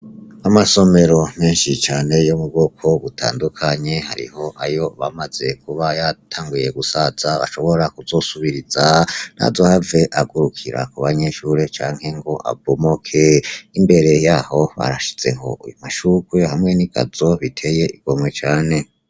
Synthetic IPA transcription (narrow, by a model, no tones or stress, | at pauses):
amaso̞me̞ɾo̞meːnʃit͡ʃaːne̞jomub̚ɡokʰo̞βutʰa̰ːndukʰaɲe̞ha̰ɾḭho̞ʔajo̞βamaze̞kuβajatʰaːŋɡuje̞ɡusaz̥aβa̰ʃo̞βo̞ɾakuzo̞suβiɾiz̥ana̰zo̞have̞ʔaɡuɾukʰiɾa̰kuβaɲe̞ʃuːɾe̞t͡ʃaːŋhe̞ŋɡo̞ʔa̰bomokʰeimbe̞ɾe̞jaːho̞βa̰ɾaʃi̥z̥e̞ɦo̞̰ʔujumaʃuɡwehamŋe̞niɡ̥a̰zo̞βitʰe̞jeiɡ̥o̞mwe̞t͡ʃaːne̞